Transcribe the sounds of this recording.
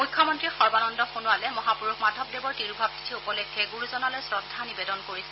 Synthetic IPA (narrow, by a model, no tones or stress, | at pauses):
mujkʰːɔmɔntɹixɔɹbanɔndɔxunualɛmɔɦapuɹukmadʱɔb̚debɔɹtiɹubʱab̚ti̥tʰiupɔlɛkʰːɛɡuɹuzɔnalɔjsɹɔdʱːanibedɔnkoɹisɛ̥